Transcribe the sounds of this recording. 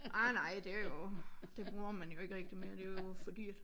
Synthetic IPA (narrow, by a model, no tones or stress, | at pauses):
ʔɑnɑ̈ɪ̰d̥e̝æɐjod̥e̝b̥ʁuːɐmænjo̝e̝ɡ̥əʁɛɡ̥̚d̥ime̝ːɐd̥e̝æjofɒd̥ḭːd̥